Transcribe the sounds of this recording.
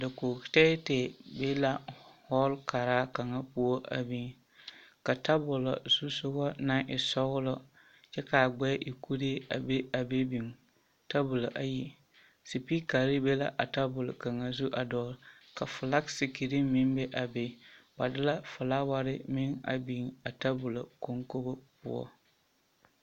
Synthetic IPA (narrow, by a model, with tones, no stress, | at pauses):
da˨ko˨tɛ˦te˨be˦la˨hɔ˦lka˨ɾaː˦ka˨ŋa˦pu˦o˦ʔa̰˨bi˦ŋ | ka˨ta˦bʊ˨la̰˨z̥u˦sʊ˦ɣɔ˦na˦ŋʔɪ˨sɔ˦ɣʊ˦lɔ˦ | t͡ʃɛ˦ka˨ɡ͡bɛ˦ʔi˨kʰu˦ɾe˦a̰˨be˦a˨be˦bi˨ŋ | ta˦bʊ˨lʔa˨ji˨ | si˨pi˦ka˨ɾɪ˦be˦la̰˨ʔa˨ta˦bʊ˨lʊ˨ka˨ŋa˨zu˦ʔa˨dɔː˦ɾ | ka˨fʊ˨la˦ksi˨ki˨ɾi˦mɪ˦mbe˦ʔa˨be˨ba˨dɪ˦la˦fʊ˨la˦wa˦ɾɪ˦mɪ˦ŋa̰˨bi˦ŋa˨ta˦bʊ˨lo̰˨ko˦ŋko˦bʊ˦pʊ̰˦ɔ̰˦